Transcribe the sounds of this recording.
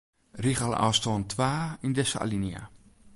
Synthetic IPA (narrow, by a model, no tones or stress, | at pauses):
riχal̰ˠa̰ːstoːntʰʋaːindɛsa̰linia̰